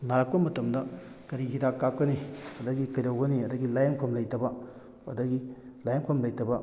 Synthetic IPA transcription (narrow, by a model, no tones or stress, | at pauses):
naɾak̚pɐmɐtɐmdɐ | kɐɾiɡidakːap̚kːɐniɐdɐɡikɐjɾawɡɐniɐdɐɡilajɐmkʰomlɐjtɐbɐ | ɐ̰dɐɡi | lajɐmkʰomlɐjtɐbɐ